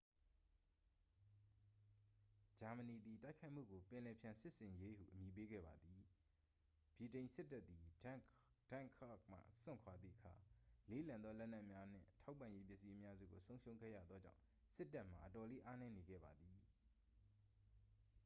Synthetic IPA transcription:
d͡ʑa˨mə˨ni˨d̪i˨ta˦ɪkʰa˦ɪʔm̥ṵ˦˨ɡo˨pɪ̃˨lɛ˨pʰjã˨sɪ˦ʔsɪ̃˨je˦hṵ˦˨ʔəmji˨p̬e˦ɡɛ̰˦˨ba˨d̪i˨ | b̥ji˨tẽ˨ɪ̃nsɪ˦tːa˦t̪̚ːi˨ | d̥ã˦˨kʰa˦k̚m̥a̰˦˨sɪ̰̃˦˨ŋkʰwa˨d̪ðḭ˦˨ʔəkʰa̰˨le˦˨lã˨nd̪ðɔ˦lɛ˦ʔn̥ɛ˦ʔmja˦n̥ɪ̰̃˦˨tʰa˦ʊpːã˨je˦pjɪ˦ʔsi˦ʔəmja˦zṵ˦˨ɡo˨sõ˦ʊ̃ʃõ˦ʊ̃ŋɡɛ̰˦˨ja̰˦˨d̪ðɔ˦d͡ʑã̰˦˨ʊ̃ | sɪ˦tːa˦ʔm̥a̰˨ʔətɔ˨le˦ʔa˦nɛ˦ne˨ɡɛ̰˦˨ba˨d̪ði˨

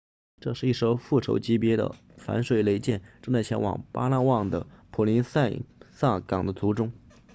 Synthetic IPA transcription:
ʈ͡ʂɤ˥˧ʂɻ̩˥˧i˥˩ʂo˥ʊfu˥˩ʈ͡ʂʰo̰˧˥ʊt͡ɕi˧˥pjɛ˧˥d̪ə̰˧ | fa̰˧˥nʂwe˨˩ɪle˧˥ɪt͡ɕjɛ˥˩nʈ͡ʂɤ˥˧ŋt͡sa˥˩ɪt͡ɕʰjɛ˧˥nwɑ̰˨˩ŋpa̰˥la˥˧wɑ˥˩ŋd̪ə̰˩pʰu˨˩li˧˥nsa˥˩ɪsa˥˩kɑ˨˩ŋd̪ə˦t͡su˧˥ʈ͡ʂʊ˥ŋ

